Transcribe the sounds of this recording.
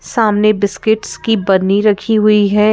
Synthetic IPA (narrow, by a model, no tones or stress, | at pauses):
saːmnebɪskɪʈskibɐd̪niɾɐkʰiɦʊiɦɛː